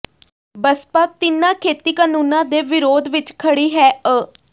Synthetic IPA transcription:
bəspaːt̪ɪnãːkʰeːt̪iːkaːnuːnãːd̪eːʋɪɾoːd̪ʋɪt͡ʃkʰəɽiːɦɛːə

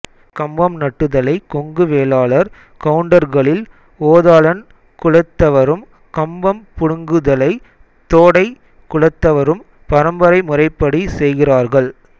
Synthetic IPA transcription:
kɐmbɐmnɐʈːɯðɐlɐɪkɔŋɡɯʋeːlaːɭɐɾ | kɐʋɯɳɖɐɾɣɐɭɪl | oːðaːlɐn | kʊɻɐt̪ːɐʋɐɾɯm | kɐmbɐmpʊɽɯŋɡɯðɐlɐɪ | t̪oːɽɐɪ | kʊɻɐt̪ːɐʋɐɾɯm | pɐɾɐmbɐɾɐɪmʊrɐɪpːɐɽisɛjɣɪraːɾɣɐɭ

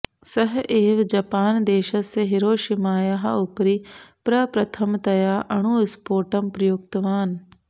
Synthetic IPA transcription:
sɐɦʔeːʋd͡ʑɐpaːnd̪eːʃəseɦɪɾoːʃɪmaːjaɦa̰ʊpɾipɾɐpɾɐt̪ʰəmt̪ɐjaːʔɐɽ̃uːɪspoːʈəmpɾɐjokt̪ɐʋaːn

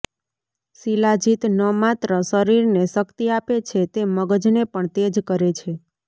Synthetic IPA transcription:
silad͡ʒit̪nəmat̪ɾəsəɾiɾneʃəkt̪iapet͡ʃʰet̪eməɡəd͡ʒnepəɳt̪ed͡ʒkəɾet͡ʃʰe

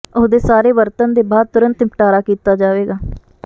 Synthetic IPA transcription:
ʊsd̪eːsaːɾeːʋəɾt̪ənd̪eːbaːd̪̚t̪ʊɾə̃nt̪ɪmpʈaːɾaːkiːt̪aːd͡ʒaːʋeːɡaː

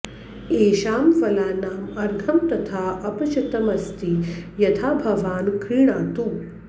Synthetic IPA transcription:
eːʃaːmʋɐlaːnaːmɐɾɡʱɐmt̪ɐt̪ʰaːʔɐpɐt͡ʃʰɐt̪ɐmɐst̪ijɐt̪ʰaːbʱɐʋaːnkɾiːɳaːt̪u

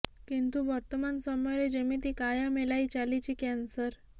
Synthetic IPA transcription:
kint̪uʋəɾt̪əmansɔmɔɾed͡ʑemiːt̪ikajamelait͡ɕalit͡ɕiːkɛnsəɾ

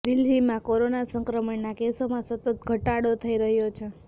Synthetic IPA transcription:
d̪ɪld̪ʱimãkoɾonasəŋkɾəmənːakesomãsət̪ət̪̚ɡʱəʈaɽot̪ʰəiɾəɦjot͡ʃʰe

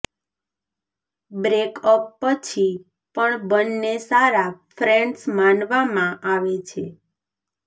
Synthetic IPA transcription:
bɾekəpːət͡ʃʰi | pəɳbənːesaɾafɾɛ̃ɳɖsmanʋamãʔaʋet͡ʃʰe

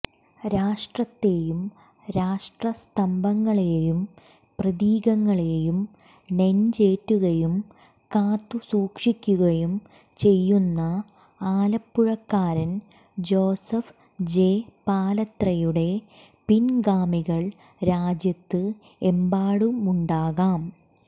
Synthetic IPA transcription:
ɾaːʂʈrɐt̪ːe̞jum | ɾaːʂʈrɐst̪ɐmbʱɐŋːɐɭejum | prɐðiːɣɐŋːɐɭejum | nent͡ɕe̞ːtːuɣɐjum | kaːt̪ːusuːkʂikʲːuɣɐjum | t͡ɕe̞jːunːɐ | aːlɐpːuɻɐkːaːɾɐn | d͡ʑo̞ːsɐf | d͡ʑe̞ːpaːlɐt̪rɐjuɽe̞ | pinɡaːmiɣɐɭ | ɾaːd͡ʑjɐt̪ːɨ | embaːɽumuɳɖaːɣaːm

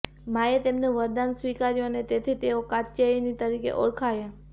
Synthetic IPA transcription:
maet̪emneʋəɾd̪ansʋikaɾjoənet̪et̪ʰit̪eokatt͡ʃeinit̪əɾikḛʔɔɾkʰaja

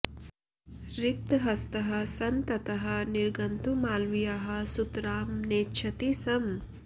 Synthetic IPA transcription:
ɾik̚t̪ɦɐst̪ɐɦɐ̆sɐnt̪ɐt̪ɐɦɐ̆niɾɡɐnt̪umaːlʋijaɦɐ̆sut̪ɾaːmneːtːʃʰɐt̪isɐm

